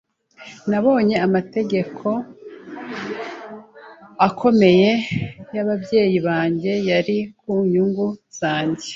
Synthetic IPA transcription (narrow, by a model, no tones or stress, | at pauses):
naβo̞ːɲe̞amate̞ɟe̞kʰo̞ | akʰo̞me̞je̞jaβabɟe̞ːjiβaːɲɟe̞jaɾikuɲuŋɡuz̥aːɲɟe